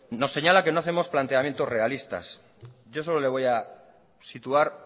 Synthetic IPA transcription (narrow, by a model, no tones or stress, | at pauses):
no̞sːe̞ɲalake̞noaθe̞mo̞splant̪e̞amje̞nt̪o̞zre̞alist̪a̰s | ɟ͡ʝo̞so̞lo̞le̞β̞o̞ja | sit̪uaɾ